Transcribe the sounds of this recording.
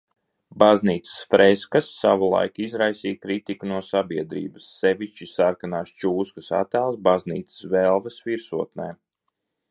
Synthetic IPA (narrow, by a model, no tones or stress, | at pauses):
bazniːt̪sə̥sfɾɛskasːavulˠa̰jkizɾajsiːkɾit̪ikunuɔsabiɛd̪ɾḭːbasːɛviʃt͡ʃisaɾkanaːst͡ʃuːskasa̰t̪aːlˠsbaznḭːt̪sə̥svɛlˠvɛsviɾsuɔt̪nɛ̰ː